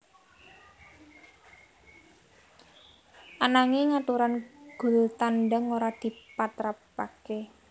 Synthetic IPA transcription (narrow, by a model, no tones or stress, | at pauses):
ʔanaŋeŋat̪uɾanɡ̥ʊ̤lt̪anɖəŋoɾad̪̥i̤pat̪ɾapːa̰ke